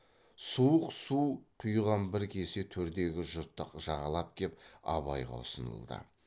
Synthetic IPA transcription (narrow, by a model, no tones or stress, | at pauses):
suəqsuqʰʊjʁɑnbɪɾkʲʰe̞set̪ʰɵɾd̪e̞ɡʲɪʒʊɾt̪ːəqʒ̥ɑʁɑlˠɑp̚kʲʰe̞p̚ɑ̰bɑ̰jʁɑ̰ʊ̰sənə̰lˠd̪ə̰